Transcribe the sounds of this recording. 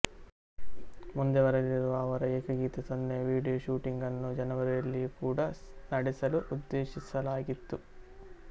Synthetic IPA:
mund̪eʋɐɾɐɡiɾuʋaːʋɐɾɐeːkɐɡiːt̪ɐt̪ɐnːeːʋiːɽijoːʃuːʈiŋɡɐnːud͡ʒɐnɐʋɐɾeɭːikuːɽaːnɐɽisɐluʔud̪ːeːʃit͡ʃːɐlaːɡit̪ːu

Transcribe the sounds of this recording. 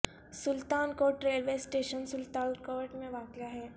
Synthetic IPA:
sʊlt̪aːnkoːʈɾeːlʋeːsʈeːʃənsʊlt̪aːnkoːɾʈmẽʋaːkjaɦɛː

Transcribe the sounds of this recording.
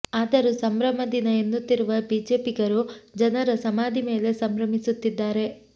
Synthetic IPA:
aːd̪ɐɾusɐmɾɐmɐd̪inɐenːut̪ːiɾuʋɐbiːd͡ʒe̞ːpiɡɐɾud͡ʒɐnɐɾɐsɐmaːd̪ime̞ːle̞sɐmɾɐmisut̪ːid̪ːaːɾe̞

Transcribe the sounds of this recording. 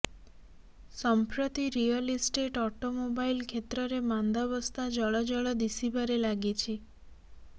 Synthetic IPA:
sɔmpɾət̪iɾijəlisʈeʈɔʈomobailkʰet̪ɾəɾemãnd̪abəst̪ad͡ʒɔɭɔd͡ʒɔɭɔd̪isibaɾelaɡit͡ʃʰi

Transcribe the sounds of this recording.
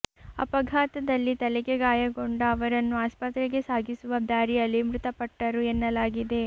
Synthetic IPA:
ɐ̰pɐɡʱaːt̪ɐd̪ɐlːit̪ɐlɛkeɡaːjɐɡo̞ɳɖɐːʋɐɾɐnːuaːspɐt̪ɾeɡe̞saːɡʱisuʋɐd̪ʱaːɾiɐlːimɾut̪ɐpɐʈːɐɾuenːɐlaːɡid̪e̞

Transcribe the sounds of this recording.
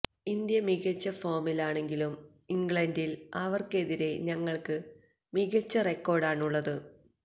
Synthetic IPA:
ind̪jɐmiɣɐt͡ɕːɐfo̞ːmilaːɳe̞ŋɡilum | iŋɡɭɐndilɐʋɐrke̞ðiɾe̞ɲɐŋːɐɭkɨ | miɣɐt͡ɕːɐrekːo̞ːrɖaːɳuɭːɐðɨ

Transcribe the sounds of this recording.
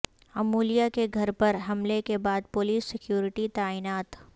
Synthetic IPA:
ɐmuːlijakeɡʱɐɾpɐɾɦɐmlekebaːd̪̚pʊliːsːɪkjuːɾɪʈit̪aːiːnaːt̪

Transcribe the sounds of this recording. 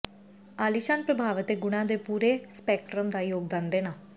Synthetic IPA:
aːliʃaːnpɾəbʱaːʋət̪eːɡʊɽ̃ãːd̪eːpuːɾeːspɛːk̚ʈɾəmd̪aːjoːɡ̚d̪ãːnd̪eːnaː

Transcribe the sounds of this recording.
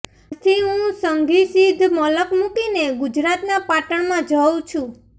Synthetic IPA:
t̪ʰiɦũsəŋɡisid̪ʱmɔləkmũkineɡʊd͡ʒɾat̪napaʈəɳmãd͡ʒəw̃t͡ʃʰũ

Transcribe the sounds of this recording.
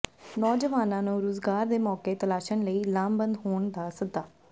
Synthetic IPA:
nɔːd͡ʒəʋaːnãːnũːɾoːzɡaːɾd̪eːmɔːkeːt̪əlaːʃənləiːlaːmbənd̪ɦoːɳd̪aːsəd̪aː

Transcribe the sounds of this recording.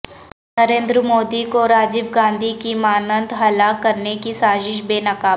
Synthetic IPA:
nɐɾẽːnd̪ɾəmoːd̪ikoɾaːd͡ʒɪbɡãːnd̪ʱikimaːnə̃nd̪ʱɦɐlaːkːɐɾnekisaːzɪʃ̬beːnɐkaː

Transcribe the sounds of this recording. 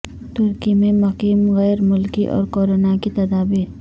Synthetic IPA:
t̪ʊɾkimẽmɐkiːmɣɛjɾmʊlkiʔɔ̰ːɾkoːɾonakit̪ɐd̪aːbiːɾ

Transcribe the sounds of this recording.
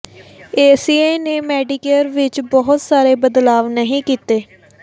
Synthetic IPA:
eːsiːeːneːmɛːɖɪkeɾʋɪt͡ʃbɔɦʊt̪saːɾeːbəd̪laːʋnəɦĩːkiːt̪eː

